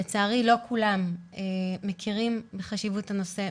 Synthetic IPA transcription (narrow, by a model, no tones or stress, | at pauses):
et͡saːʁilo̞kʰulameːekʰiʁimbeχaʃivuthano̞se̞